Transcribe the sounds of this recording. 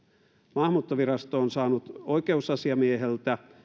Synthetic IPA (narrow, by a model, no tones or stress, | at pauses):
mɑhmuːt̪ːoʋiɾɑst̪oːnsɑːnut̪oikeusɑsiɑmieɦelt̪æ